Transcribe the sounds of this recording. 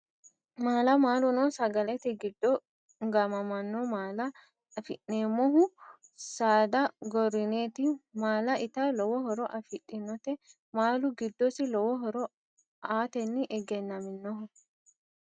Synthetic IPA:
maːlɐmaːlʊnɔsɐɡɐlɛt̪ɪɡɪd̪ːɔ | ɡɐmɐmɐnːomaːlɐ | ɐfɪʔneːmːɔɦʊ | saːd̪ɐɡɔɾɪneːt̪ɪmaːlɐʔɪt̪ɐlɔwɔɦɔɾɔʔɐfɪᶑːɪnːɔt̪ɛ | maːlʊɡɪd̪ːɔsɪlɔwɔɦɔɾɔ | aːt̪ɛnːɪʔɛɡɛnːɐmɪnːɔɦʊ

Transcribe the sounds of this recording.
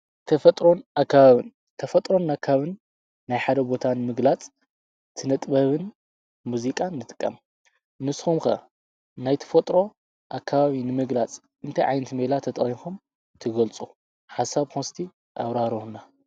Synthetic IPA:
t̪ʰɐfɐt̪ʼɾo̞nʔakːaβaβɨn | t̪ʰɐfɐt̪ʼɾo̞nːakʰːaaaβɨnː | ajħad̪ɐbo̞t̪ʰanɨmɨɡlat͡sʼ | t̪ʰɨnɐt̪ʼbɐβɨn | muzikʼanːɨt̪ʼɨ̥kʼːɐ̰m | nɨsxumxɐ | najt̪ʰɐ̥fɐt̪ʼɾo̞ | ʔakʰːaβaβinɨmɨɡlat͡sʼ | ʔɨnt̪ʰajʕajnɐt̪ʰimɐlat̪ʰɐt̪ʼɐχixum | t̪ʰɨɡɐlt͡sʼu | ħasaβkʰonst̪ʰi | ʔa̰βɾaɾɨhna

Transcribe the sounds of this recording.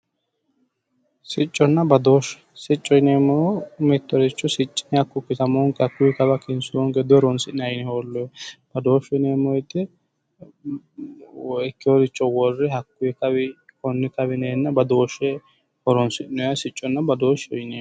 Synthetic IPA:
sɪt͡ʃʼːɔnːɐbɐd̪o̞ːʃ | sɪt͡ʃʼːɔjneːmːɔɔmɛt̪ːɔɾɪt͡ʃːɔsɪt͡ʃʼːɪ̥nɛhɐkːʊkːɪt̪ɐmoːŋkːɛhɐkːʊjɛkɐbɐkɪnsʊɔŋɡɛd̪ɔɾɔnsɪʔnɐjɪnɛhoːlːɔb̥ɐd̪o̞ːʃɛneːmːɔjt̪ːɪ | ɛkːɪɔɾɪt͡ʃːɔwɔrːɛhɐkːʊjɛkɐbɪkɔnːɪkɐbɪneːnːɐbɐd̪o̞ːʃːɛ | hɔɾɔnsɪʔnɔjɐsɪt͡ʃʼːɔnːɐbɐd̪oːʃɔjneː

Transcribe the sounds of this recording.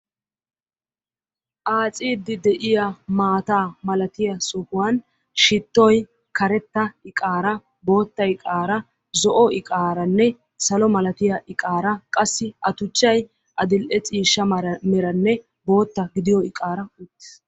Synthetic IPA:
ʔaːt͡sʼiːd̪ːɪd̪ɛʔɪjɐmaːt̪aːmɐlɐt̪ɪjɐsɔhʊwɐn | ʃɪt̪ːɔj | kɐɾɛt̪ːɐɪkʼaːɾɐ | bo̞ːt̪ːɐjkʼaːɾɐ | zɔʔɔʔɪkʼaːɾɐnːɛ | sɐlɔmɐlɐt̪ɪjɐʔɪkʼaːɾɐkʼɐsːɪɐt̪ʊt͡ʃːɐj | ʔɐd̪ɪlʔɛt͡sʼiːʃːɐmɛɾɐnːɛ | bo̞ːt̪ːɐɡɪd̪ɪjɔɪkʼaːɾɐʊt̪ːɪ̥s

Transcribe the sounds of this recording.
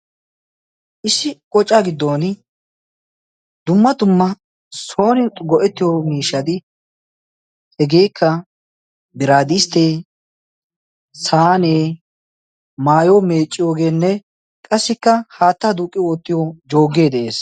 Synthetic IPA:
ʔɪsɪkʼɔt͡ʃʼːaɡɪd̪ːoːn | d̪ʊmːɐd̪ʊmːɐ | so̞ːnɪɡɔʔɛt̪ːɪjomiːʃːɐd̪ɪ | hɛɡe̞ːkʰːɐ | bɪɾaːd̪ɪst̪eː | saːneː | maːjome̞ːt͡ʃʼːɪjo̞ːɡe̞ːnːɛ | kʼɐsːɪkːɐhaːt̪ːad̪ukʼːɪjoːt̪ːɪjod͡ʒo̞ːɡːe̞ːd̪ɛʔeːs

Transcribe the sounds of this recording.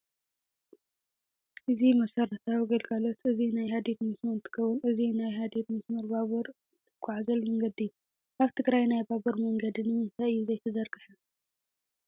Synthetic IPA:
ʔɨzimɐsɐɾɐt̪ʰawɡɐlɡalot̪ɨzinajɦad̪ed̪mɨsmɐɾt̪ʰːɨ̥kʰɐβunɨzinajɦad̪ed̪mɨsmɐɾbaβɐɾ | t̪ʰɨkʷʰʼːaʕazɐlmɐŋɡɐd̪ijːu | ʔaβt̪ʰɨɡɾajnajbabɐɾmɐŋɡɐd̪inɨɨnt̪ʰaɨjːuzɐjt̪ʰɐzɐɾɡɨħɐ

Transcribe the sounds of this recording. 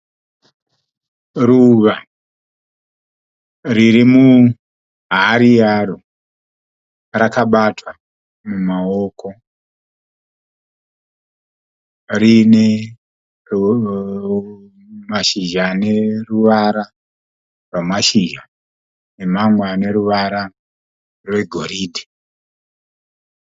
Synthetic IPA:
ruʋa | ririmu | ɦaɾiaɾo | rakaɓatʰwa | mumaoːkʰo̞ | rine | maʃiʒaːne̞ruʋaɾa | rwamaʃiʒa | ne̞mamweane̞ɾuʋaɾa | rwe̞ɡʱo̞ɾiːdʱi̥

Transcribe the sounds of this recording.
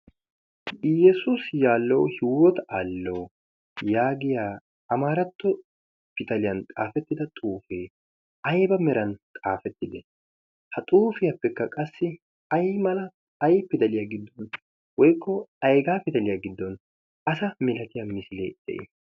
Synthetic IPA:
jɛsusjaːlːɔwhɪwɔt̪aːlːow | jaːɡɪjaː | ɐmaːɾɐt̪ːɔ | fɪt̪ɐlɪjɐnt̪ʼaːfɛt̪ːɪd̪ɐt̪ʼuːfeː | ɐjbɐmɛɾɐnt̪ʼaːfɛt̪ːɪd̪ɛ | hɐt̪ʼuːfɪjɐpːɛkːɐkʼɐsːɪ | ɐjmɐlɐː | jpːɪd̪ɐlɪjaɡɪd̪ːɔn | wɔjkːɔɐjɡaːpɪt̪ɐlɪjaɡɪd̪ːɔn | ɐsɐmɛlɐt̪ɪjɐmɪsɪlḛːd̪ɛ̰ʔḛ

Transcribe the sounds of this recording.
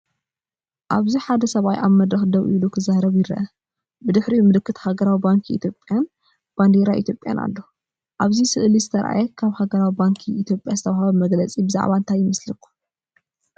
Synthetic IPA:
ʔaβziħad̪ɐsɐβajʔa̰βmɐd̪ɾɐxd̪ɐβʔḭlukʰɨzahɾɐβjɪɾɐ̰ʔɐ | bɨd̪ɨħɾimɨlɨkʰːɨt̪haɡɐɾawibaŋkʰiḭt̪ʰjo̞pʼːjan | b̥and̪eɾaʔḭt̪ʰjo̞pʼja̰na̰lːo | ʔaβzisɨʔlizɨt̪ʰɐɾʔa̰jɛkʰaβhaɡɐɾawibaŋkʰiʔːt̪ʰjopʼjazɨt̪ʰɐβahaβɐmɐɡlɐt͡sʼibɨza̰ʕβant̪ʰajɪmɐslikːu̥

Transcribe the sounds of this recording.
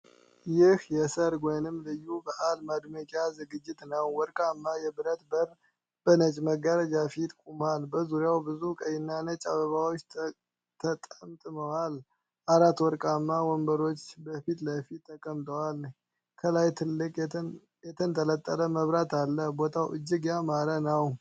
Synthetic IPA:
jɪhjɛsəɾɡʷojnɨmːlɨjːubəʔalmad̪məkʼazɨɡɨd͡ʒːɪt̪nəwːɔɾkʼamːajɛbɨɾət̪bəɾ | b̥ənət͡ʃʼməɡəɾəd͡ʒafit̪kʼumalbəzuɾjawbɨzukʼəjɪnːanət͡ʃʼaβəβawot͡ʃː | t̪ʰət̪ʼəmt̪ʼɨməwal | ʔaɾat̪wɔɾkʼamːawɔmbəɾo̞t͡ʃːbəfit̪ləfit̪ʰːəkʼəmt̪ʼəwalɲ | kʰəlajt̪ʰɨlːɨkʼ | jɛt̪ʰənt̪ʰələt̪ʼːələməβɾat̪ʰalːəhbo̞t̪ʰawʔɨd͡ʒːɨɡjamaɾənəw

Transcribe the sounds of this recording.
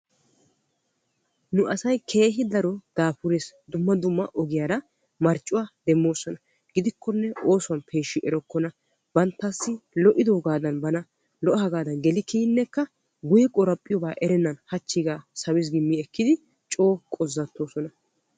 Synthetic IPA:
nʊʔɐsɐjkʰe̞ːɦɪd̪ɐɾɔd̪̥aːpʊɾesd̪ʊmːɐd̪ʊmːɐʔɔɡɪjaːɾɐ | mɐɾt͡ʃʼːʊwaːd̪̥ɛmːo̞ːsɔnɐ | ɡ̥ɪd̪ɪkːɔnːɛo̞ːsʊwɐnpʰe̞ːʃːɪʔɛɾɔkːɔnɐ | b̥ɐnt̪ːɐsːɪlɔʔɪd̪oːɡaːd̪ɐnbɐnɐ | lɔʔɐhɐɡaːd̪ɐnɡɛlɪkiːnːɛkːɐ | ɡʊjɛkʼɔɾɐpʼːɪjɔbaːʔɛɾɛnːɐnhɐt͡ʃːiɡaːsɐwɪs̬ɡɪmːiɛkːɪd̪ɪ | t͡ʃʼo̞ːkʼɔzːɐt̪ːo̞ːsɔnɐ

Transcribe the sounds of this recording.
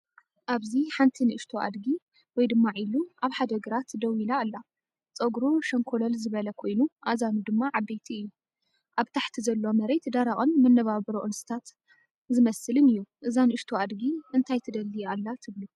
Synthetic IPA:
ʔaβziħant̪ʰinɨʔɨʃt̪ʰoʔa̰d̪ɡi | wɔjd̪ɨmːaʕiluʔaβħad̪ɐɡɨɾat̪d̪ɐwilaːlːa | t͡sʼɐɡɾoʃɐŋkʰolɐlzɨβɐlɐkʰo̞jnuʔazanud̪ɨmːaʕabet̪ʰiɨjːu | ʔaβt̪ʰaħt̪ʰizɐlːo̞mɐɾet̪d̪aɾaɣʼonmɐnːɐβaβɨɾoʔɨnsɨ̥t̪ʰat̪ | zɨmɐsɨlɨnɨjːuʔɨzanɨɨʃt̪ʰoad̪ɡiɨnt̪ʰajt̪ʰɨd̪ɐlːialːat̪ʰɨβlu

